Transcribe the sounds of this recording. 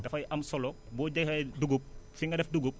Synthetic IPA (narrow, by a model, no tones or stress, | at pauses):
dɐfɐjʔɐmsɔlɔbɔːɟɐɐjduɡup̚siŋɡɐdɛfduɡup̚